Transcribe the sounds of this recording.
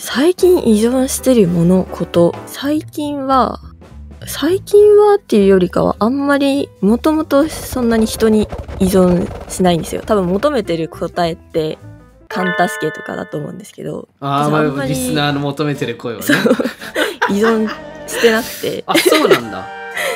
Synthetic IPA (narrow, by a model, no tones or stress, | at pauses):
saikʲĩɰ̃ʔizõ̞ɰ̃ɕi̥t̪e̞ɾɯ̟mo̞no̞kʰo̞t̪o̞saikʲĩɰ̃βa | saikʲĩɰ̃βat̪ːe̞jɯ̟jo̞ɾʲika̰βa̰ʔãmːaɾʲimo̞t̪o̞mo̞t̪o̞sõ̞nːaɲ̟içi̥t̪o̞ɲ̟iːzõ̞ɰ̃ɕinaĩnd̪e̞sɨjo̰t̪abɯ̟̃mːo̞t̪o̞me̞t̪e̞ɾɯ̟kʰo̞t̪ae̞t̪ːe̞ | kʰãnt̪aɕi̥ke̞t̪o̞̥ka̰d̪a̰t̪o̞ːmo̞ɯ̟̃nd̪esɨ̥ke̞̰d̪o̞̰aoaɾʲiisɨnaːnomot̪ome̞t̪eɾɯkoeβso | izõ̞ɰ̃ɕi̥t̪e̞nakɯ̟̥t̪e̞̰asoːnãnd̪a̰